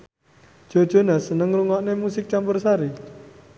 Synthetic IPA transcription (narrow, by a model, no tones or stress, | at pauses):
d̥ʒ̥o̤d̥ʒ̥ɔ̤nasənəŋruŋɔʔnemusɪk̚t͡ʃampʊrsaɾi